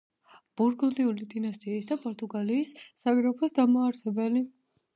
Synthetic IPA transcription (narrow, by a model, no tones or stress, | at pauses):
b̥uɾɡld̪iulid̪inast̪ʼiɛisd̪apʼɔɾt̪ʼuɡaliːsːaviɾɔpʰɔsd̪amaːɾsɛbɛli